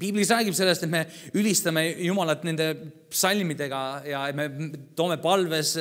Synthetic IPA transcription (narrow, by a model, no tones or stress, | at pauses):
piːblisræːɡipse̞lːe̞st̪et̪me̞ylʲist̪ɑmejumɑlɑt̪ːˑne̞nd̪e̞ | sɑlʲmid̪̥e̞ɡ̥ɑjɑet̪me̞t̪oːme̞pɑlve̞s